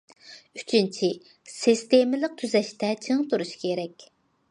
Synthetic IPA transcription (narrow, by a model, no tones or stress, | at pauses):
yt͡ʃʰint͡ʃʰi | sist̪emɪlɪq̚t̪ʰyzɛʃt̪ɛt͡ʃʰiŋt̪ʰuɾuʃi̥kʲʰeɾɛkʲ